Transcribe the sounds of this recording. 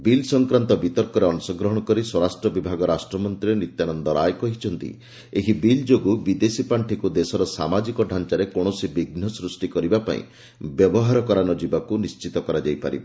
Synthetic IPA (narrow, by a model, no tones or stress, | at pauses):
bilsɔŋkɾant̪ɔbit̪ɔɾkɔɾeɔnɔsɔɡɾɔɦɔɽ̃ɔkɔɾiswɔɾasʈɾɔbibʱaɡɔɾasʈɾɔmɔnt̪ɾinit̪janɔnd̪ɔɾajkɔɦit͡ʃʰɔnt̪ḭ | eɦibild͡ʒoɡubid̪esipaɳʈʰikud̪esɔɾɔsamad͡ʒikɔɖʱant͡ʃaɾekɔɽ̃ɔsibiɡn̤ɔsɾusʈikɔɾibapa̰ḭ̃ | bjɔbɔɦaɾɔkɔɾanɔd͡ʒibakunist͡ʃit̪ɔkɔɾad͡ʒajpa̰ɾḭba